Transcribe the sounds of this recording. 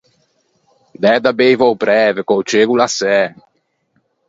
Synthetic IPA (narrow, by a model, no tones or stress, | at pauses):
d̪ɛd̪abejvɔwpɾɛːvekowt͡ʃeɡulasɛ